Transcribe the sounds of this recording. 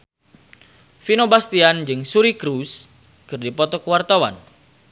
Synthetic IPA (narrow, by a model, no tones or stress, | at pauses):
finobast̪iand͡ʒɨŋsuɾikɾus | kɨrdipɔt̪ɔkəwart̪awa̰n